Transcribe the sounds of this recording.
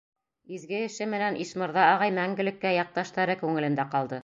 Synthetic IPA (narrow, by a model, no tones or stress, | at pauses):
izɡɘɘ̆ʃɘmɘ̆nænʔiʃmɤ̆ɾðɑːʁɑjmæŋɡɘ̆lɘ̆kːæjɑq̚t̪ɑʃt̪ɑɾɤkʉŋɘ̆lɘ̆nd̪æqɑlˠd̪ɤ